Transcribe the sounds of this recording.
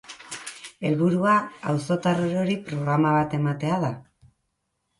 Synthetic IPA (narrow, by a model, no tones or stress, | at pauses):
e̞lβuɾuaawso̞t̪aroɾo̞ɾipɾo̞ɣɾamaβat̪e̞mat̪e̞aða